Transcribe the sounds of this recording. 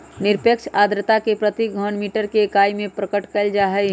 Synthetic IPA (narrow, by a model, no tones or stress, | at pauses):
nɪɾpjəkʃʰaːd̪ɾət̪akepɾət̪iɡʱɔnmiːʈəɾkeːkaːimẽpɾəkəʈkəld͡ʒaɦɛ